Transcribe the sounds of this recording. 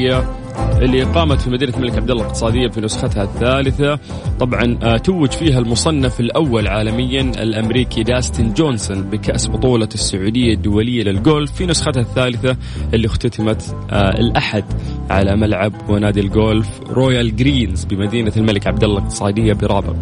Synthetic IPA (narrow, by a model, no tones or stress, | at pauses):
a | ʔɪlːiqɑːmat̪fimad̪iːnalmalɪkʕab̚d̪alːalɪq̚t̪ɨ̥sˤɑːd̪ɪjːafinʊsxat̪haθːaːlɪθa | t̪ˤɑbʕɑnt̪awːɪd͡ʒfiːɦalmʊsˤɑnːafɪlʔawːalʕaːlamɪjːanɪ̰lʔamɾiːkʰid̪aːst̪ɪnd͡ʒoːnsʊnbɪkaʔsbʊt̪ˤuːlɑsːʊʕuːd̪ɪjːad̪ːʊwalɪjːalɪlɡoːlfːinʊsxat̪haθːaːlɪθa | ʔɪlːixt̪at̪amat̪ɪ̰lʔaħad̪ʕa̰lamalʕabwɪnaːd̪ilɡoːlf | ɾoːjalɡɾiːnzbɪmad̪iːnalmalɪkʕab̚d̪alːalɪq̚t̪ɨ̥sˤɑːd̪ɪjːabɪɾˤɑːbɪ̰q